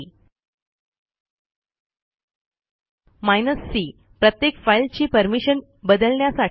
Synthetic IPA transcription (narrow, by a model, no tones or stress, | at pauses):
majnəsːiː | pɾət̪jekfailt͡ɕiːpəɾmiɕən | bəd̪əlɳjasa